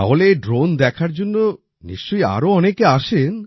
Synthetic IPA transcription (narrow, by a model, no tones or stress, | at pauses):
a̰ɦoleeɖɾond̪ɛkʰaɾd͡ʑonːo | nḭʃt͡ɕoja̰ɾoɔnekeaʃen